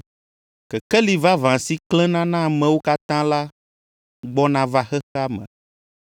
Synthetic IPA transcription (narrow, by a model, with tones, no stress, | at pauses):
kɛ˨kɛ˦li˨va˦vã˨si˦klɛ̃˦nã˦nã˦˨mɛ̃˨wo˦ka˦t̪ã˦la˦ | ɡ͡bɔ˦nã˨va˦xɛ˦xa˦mɛ̰̃˨